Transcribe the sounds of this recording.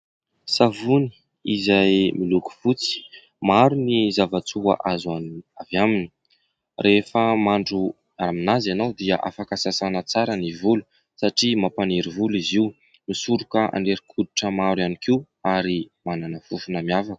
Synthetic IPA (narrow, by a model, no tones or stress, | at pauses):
savuni̥ | izajmiluku̥fut͡si̥ | maɾunizavat͡sua̰ʔazanavjamini̥ | rʔefəmaɳɖ͡ʐu | aaminazanawd̪iəʔa̰fakasasanət͡saɾənivulu̥ | saʈ͡ʂimapaneɾivuliziw | misuɾukəa̰ɳɖ͡ʐeɾikʰud̪uʈ͡ʂəmaɾwanikiw | aɾimananəfufunəmiavaku̥